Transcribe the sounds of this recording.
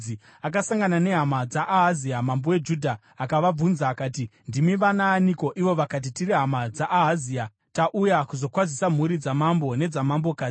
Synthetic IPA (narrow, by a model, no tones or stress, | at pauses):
i | ak̬asaŋɡanane̞ɦamad͡zaʔaɦaziamambowe̞d͡ʒuːdʱaː | kaʋab͡vunzaːkaːtindimiʋanaːniko̞ʔiʋo̞ʋakat̬itiɾiɦamad͡zaʔɦazia | taʔujakuzo̞kwazisam̤uɾid͡zamambo̞ne̞d͡zamambo̞kaː